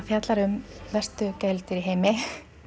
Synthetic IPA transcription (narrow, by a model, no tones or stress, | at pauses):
fjat̪laɾʏmvɛr̥t̪ʏcɛjlt̪ɪɾiɦejmɪ